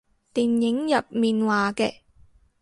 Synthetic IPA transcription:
t̪iː˨njɪ˨˥ŋjɐ˨p̚miː˨nwaː˨kɛ̰ː˧

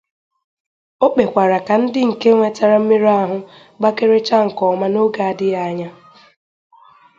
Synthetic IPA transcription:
o˦k͡pe˨kʷa˨ɾa˨ka˨n̩˦dɪ˦ŋ̩˨ke˦ŋʷe˨ta˦ɾa˨m̩˦mi˦ɾa˦ɦʊ˦ | ɡ͡ba˦ke˦ɾe˦t͡ʃa˦ŋ̩˨kɔ˨ma˦no˦ɡa˨a˦˨dɪ˦ja˨˦ɲa˦

